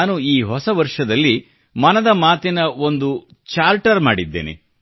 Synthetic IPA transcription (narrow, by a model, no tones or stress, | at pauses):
nuiːɦɔsɐʋɐɾʂɐd̪ɐlːi | mɐnɐd̪ɐmaːt̪inɐo̞nd̪u | t͡ʃaːlʈɐɾmaːɽid̪ːḛːnḛ